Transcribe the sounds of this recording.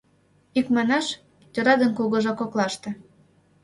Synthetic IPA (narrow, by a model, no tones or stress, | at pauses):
ikmɑnɑʃ | t̪ʲoɾɑd̪ə̆nkuɣɤ̆ʒɑkoklˠɑʃt̪ĕ